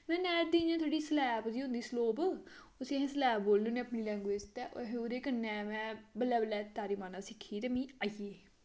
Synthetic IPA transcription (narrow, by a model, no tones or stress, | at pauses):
mɛ̃ːnɛːɾd̪iːd͡ʒãt̪ʰoːɖiːslɛːpd̪iːʊ̃nd̪iːsloːb | ʊseːɦẽːsəlɛːb̚boːlːuːneːəpniːlɛ̃ːŋɡeːst̪ɛːʔo̰ɦẽʊɾeːkənːɛːmɛ̃ːbəlɛːbəlɛːt̪aːɾiːmaːnãːsɪkʰːiːt̪ɛmĩːaːieː